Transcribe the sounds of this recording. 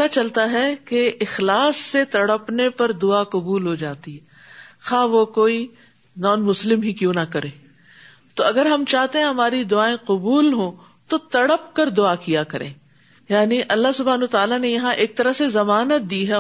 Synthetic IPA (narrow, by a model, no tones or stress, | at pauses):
pɐt̪at͡ʃɐlt̪aɦɛkeʔɪxlaːsːet̪ɐɽəpnepɐɾd̪ʊaqʊbuːlɦod͡ʒaːt̪iɦɛː | xaːʋokoːi | nɔːnmʊslɪmɦikjõːnɐkɐɾeː | t̪oɐɡəɾɦɐmt͡ʃaːɦt̪eɦɛ̃ɦɐmaːɾid̪ʊaːẽqʊbuːlɦõ | t̪ot̪ɐɽəp̚kɐɾd̪ʊaːkijakɐɾḛ̃ː | jaːniʔɐlːaɦsʊbʱaːnwət̪aːlanejɐɦãʔeːk̚t̪ɐɾəɦsezɐmaːnət̪̚d̪iɦɛ